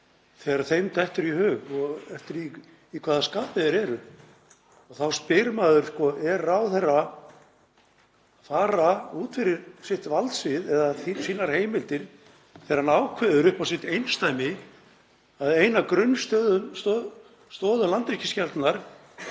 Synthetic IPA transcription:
θɛːɾaθejmt̪ɛht̪ʏɾihʏːɣɔɣɛft̪ɪɾiː | kʰvaːðaskaːpɪðɪɾɛɾʏ | ɔɣθawspɪɾmaːðʏɾ̥skɔʔɛɾawθerːa | faːɾauːt̪fɪɾɪɾsɪht̪valt̪svɪðɛðaθsiːnaɾ̥heːjmɪlt̪ɪɾ̥ | θɛɾanaːwkʰvɛːðʏɾʏhpawsɪht̪ejnst̪ajmɪ | aðejnakɾʏnːst̪œːðʏnst̪ɔ | st̪ɔːðʏlant̪ɛcɪ̥scɛlt̪naɾ̥

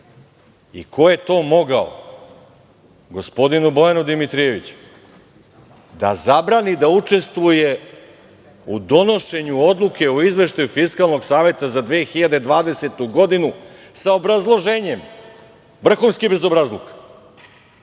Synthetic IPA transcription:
ḭkʰo̞je̞t̪o̞ːmo̞ɡao̰ | ɡo̞spo̞d̪inubo̞janud̪imit̪ɾije̞ʋit͡ɕu̥ | d̪a̰zabɾaːnid̪aut͡ʂe̞st̪ʋuje | ud̪o̞no̞ʃe̞ɲuo̞d̪lˠukʰe̞oizʋe̞ʃt̪ajufiskalˠno̞ɡsaːʋe̞t̪azad̪ʋeːxiʎad̪ed̪ʋaːd̪e̞se̞t̪uɡo̞d̪inusaobɾazlˠo̞ʒeːɲe̞m | ʋr̩xunskibe̞zo̞bɾazlˠok

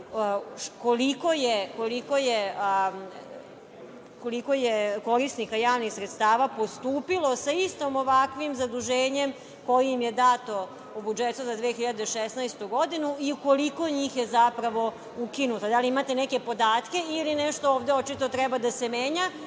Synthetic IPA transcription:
koliko̞jeko̞likoje | koliko̞jeko̞ɾisnikajaːʋnixsɾet̪st̪aːʋapo̞st̪uːpilo̞saist̪omoʋakʋimzad̪uʒeːɲe̞m | ko̞jiimje̞d̪at̪o̞ | ubud͡ʒet̪uzad̪ʋeːxiʎad̪eʃesnajst̪uɡo̞d̪inuiuko̞liko̞ɲiːxje̞zapɾaʋo̞ | ukinut̪od̪aliimat̪e̞nɛke̞po̞d̪aːt̪ke̞ilinɛʃt̪ooːʋd̪eot͡ʃit̪o̞t̪ɾɛbad̪asemeːɲa

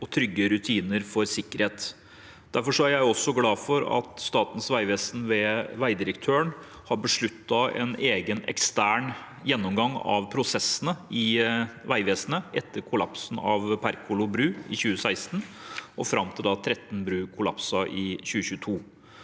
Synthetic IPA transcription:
ɔt̪ʰɾʏɡːəɾʉt̪ʰiːnəɾfɔɾsɪkːəɾheːt̪ | d̪̥æɾfɔʂɔæɾjæɪɔsːɔɡlɑːfɔɾɑ̰t̪st̪ɑːt̪ən̩sʋæɪʋeːsn̩ʋɛʋæɪd̪ɪɾəkt̪ʰøːəɳ | hɑɾbəʂɭʉt̪ːɑɛ̰neːɡənɛ̰kst̪æːɳ | jɛnːɔmɡɑŋːɑ̰ʋpʰɾʊsɛsːənəɪʋæɪʋeːsənəʔɛt̪ːəɾkʰʊlɑ̰psn̩ɑ̰ʋpʰæɾkʰʊlʊbɾʉːɪçʉːəsæɪst̪n̩ɔfɾɑmt̪ʰɪld̪ɑt̪ʰɾɛt̪n̩bɾʉːkʰʊlɑ̰psɑʔɪçʉːəçʉːt̪ʰuː

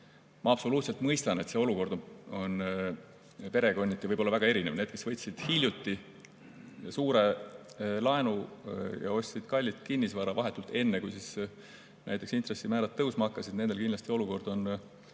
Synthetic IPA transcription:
mɑɑpso̞luːt̪se̞lt̪mɤjst̪ɑne̞t̪se̞o̞luko̞rd̪o̞n | pe̞ɾe̞ko̞nʲːit̪ːˑjɑvɤjbo̞lːɑvæɡɑe̞ɾinevne̞ːd̪̚ke̞svɤ̞jt̪sid̪̥hilʲjut̪ːi | suːɾe̞ | lɑe̞nujɑ̰o̞sʲt̪sid̪̥kɑlʲːit̪kinʲːisvɑɾɑvɑɦe̞t̪ːˑult̪e̞nːekujsis | nʔæ̰jt̪ˑeksint̪re̞sːimæːɾɑt̪ːɤwsmɑkːˑɑsid̪̥ne̞nd̪e̞lkind̪lɑst̪ʲio̞luko̞rd̪̥o̞n

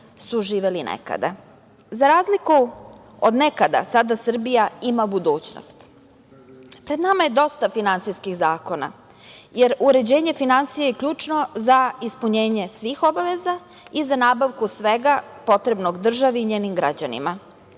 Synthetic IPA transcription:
suʒiːʋelinʔḛka̰d̪a̰ | zaɾaːzliku | od̪ne̞kad̪a̰sad̪asr̩bijaimabud̪uːt͡ɕno̰st̪ | pɾed̪namaje̞d̪o̞st̪afinansijskiɣzaːko̞na̰ | je̞ɾuɾe̞d͡ʑe̞ːɲe̞finansijejekʎuːt͡ʃno̞zaispuɲe̞ːɲe̞sʋiːxo̞baʋe̞za | izanaːbaʋkusʋe̞ɡapo̞t̪ɾe̞bnoɡd̪r̩ʒaʋiːɲeːnimɡɾad͡ʑanḭma

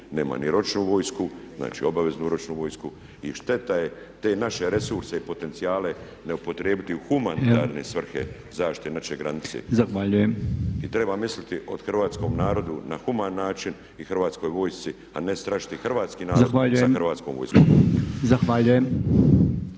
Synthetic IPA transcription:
ne̞̰ːma̰niɾo̞t͡ʃnuʋo̞ːjskuzna̰ːt͡ʃḭːo̞baʋe̞znuɾot͡ʃnuʋo̞jsku | iʃt̪e̞t̪aje | t̪eːnaʃe̞ɾe̞suɾse̞ipo̞t̪e̞nt̪siaːle̞ | neupo̞t̪ɾjeːbit̪iuxumanitt̪a̰ːɾne̞sʋr̩xḛ | zaːʃt̪i̥t̪enaʃeɡɾanit̪sḛzaxʋaʎuje̞mit̪ɾe̞bamislit̪iʔo̞d̪̥xrʋaːt̪sko̞mnaːɾo̞d̪unaxumanːaːt͡ʃin | ixrʋaːt̪sko̞jʋo̞ːjst̪si | a̰nest̪ɾaʒi̥t̪ixr̩ʋaːt̪skinaːzɾaoxʋaʎujeamr̩ʋaːt̪sko̰ːmʋo̰jskomzaxʋaːʎujem

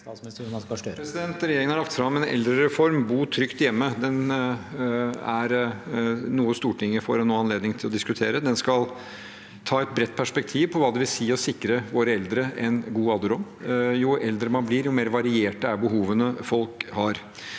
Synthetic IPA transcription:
sst̪kpɾɛsɪd̪ɛnt̪ɾɛjeːɾɪŋənɑɭɑkt̪fɾɑmːɛnɛ̰ld̪ɾəɾɛfɔɾmbuːʈʰɾʏkt̪jɛmːəd̪ɛn | æɾ | nuːəst̪uːʈʰɪŋːəfɔɾɛnːoːɑnleːd̪nɪŋt̪ʰɪlɔd̪ɪskʉt̪ʰeːɾəd̪ɛnskɑl | t̪ʰɑːɛt̪̚bɾɛt̪̚ːpʰæʂpɛk̚t̪ʰiːʋpʰɔʋɑːd̪ɛʋɪlsiːɔsɪkːɾəʋoːɾəɛld̪ɾəɛnɡuːɑd̪əɾɔmjʊɛld̪ɾəmɑnbliːɾjʊmeːɾʋɑɾɪeːʈəæɾbəɦuːʋənəfɔlkhɑːɾ

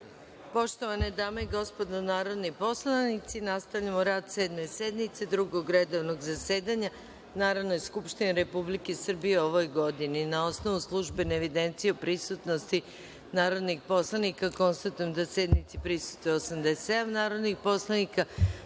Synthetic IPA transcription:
po̞ʃt̪o̞ʋaned̪aːme̞iɡo̞spo̞d̪onaːɾo̞d̪nipo̞slˠanit̪sinast̪aʋʎamoɾaːd̪seːd̪mesed̪nit̪se̞d̪ɾuɡoɡɾed̪oʋnoɡzase̞ːd̪aɲa | naːɾaʋnojeskupʃt̪ineɾe̞publike̞sr̩bijeo̞ʋo̞jɡo̞d̪ininao̞sno̞ʋuslˠuʒbeneːʋid̪ent̪sijeopɾisut̪no̞st̪i | naːɾo̞d̪nixpo̞slˠanikako̞nst̪at̪ujemd̪ased̪nit̪sipɾisu̥t̪eosamd̪eset̪ed̪amnaːɾo̞d̪nixpo̞slˠanika

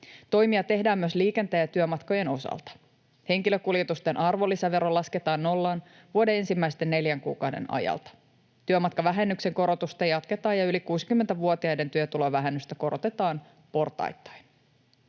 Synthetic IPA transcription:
t̪o̞jmiɑt̪e̞ɦdæːmːyøsliːke̞nt̪æjæt̪yømɑt̪ko̞je̞no̞sɑ̰lt̪ɑ̥ | he̞ŋkiløkuljet̪ust̪e̞nʔɑrʋo̞lːisæʋe̞ɾo̞lɑsket̪ɑːnːo̞lːɑːn | ʋuode̞e̞nsimːæjst̪e̞nːe̞ljæŋkuːkɑwde̞̰nɑ̰jɑ̰lt̪ɑ̥ | t̪yømɑt̪kɑʋæɦe̞nːykse̞ŋko̞ɾo̞t̪ust̪ɑjɑt̪ke̞t̪ɑːjɑylikuːsi̥kymːent̪æʋuot̪iɑjde̞nt̪yøt̪uloʋæɦenːyst̪æko̞ɾo̞t̪e̞t̪ɑːn | po̞rt̪ɑ̰jt̪ːɑ̥jn

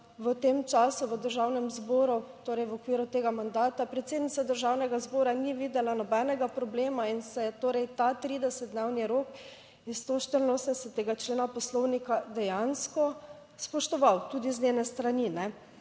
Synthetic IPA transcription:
ʋət̪emt͡ʃaːsuʋəd̪əɾʒawnɛmzboːɾut̪oːɾɛjʋɔkʋiːɾut̪eːɡamand̪aːt̪apɾɛt̪seːd̪nit̪sad̪əɾʒawnɛɡazboːɾaniʋiːd̪ɛlanɔbɛnɛɡapɾɔbleːmainsɛjɛt̪oːɾɛjt̪at̪ɾiːd̪ɛsɛt̪̚d̪newniɾok | ist̪oʃt̪əɾinoːsɛnsɛt̪ːeɡat͡ʃleːnapɔslɔwnikad̪ɛjanskɔ | spɔʃt̪ɔʋawt̪uːd̪iznʲenɛst̪ɾaninɛ

